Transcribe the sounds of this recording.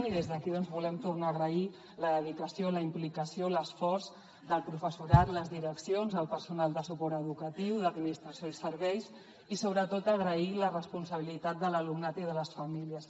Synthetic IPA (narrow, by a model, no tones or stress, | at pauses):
niðezðəkiðɔnzβulɛmt̪urnaːɣɾəi | ləðəðikəsioləimplikəsioləsfɔrz | d̪əlˠpɾufəsuɾat̪ləzðiɾəksionzəlˠpəɾsunalˠd̪əsupɔɾt̪əðukət̪iwðəd̪minist̪ɾəsijoisəɾβɛjs | isoβɾət̪ot̪əɣɾəilərəspunsəβ̞ilit̪at̪̚d̪ələlumnat̪iðələsfəmiliəs